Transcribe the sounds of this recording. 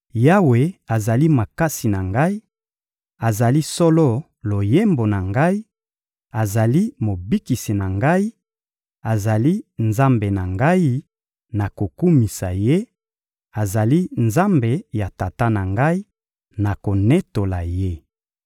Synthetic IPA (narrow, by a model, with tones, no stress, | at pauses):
ja˦we˨a˨za˨li˦ma˨ka˦si˨na˨ŋɡa˦i˦ | a˨za˨li˦so˦lo˦ | lo˨je˦mbo˨na˨ŋɡa˦i˦ | a˨za˨li˦mo˨bi˦ki˨si˨na˨ŋɡa˦i˦ | a˨za˨li˦nza˦mbe˨na˨ŋɡa˦i˦ | na˨ko˨ku˦mi˨sa˨je˦ | a˨za˨li˦nza˦mbe˨ja˨ta˨ta˦na˨ŋɡa˦i˦ | na˨ko˨ne˦to˨la˨je˦